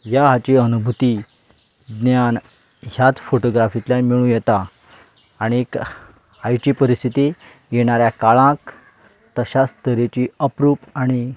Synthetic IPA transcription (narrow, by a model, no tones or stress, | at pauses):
jaɦat͡ɕiənubʱut̪iː | d̪njan | jjat̪foʈoɡɾafit̪lamiɭũːjɛt̪aː | ɽ̃iek | ajʈiːpəɾist̪ʰit̪e | jeɽ̃aɾjakaɭãk | t̪əɕast̪əɾet͡ɕiːəpɾuːpaɽ̃i